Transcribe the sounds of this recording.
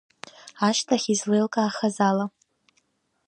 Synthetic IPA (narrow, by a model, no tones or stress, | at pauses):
aʃtʰaχʲizlejlkʼaːχazala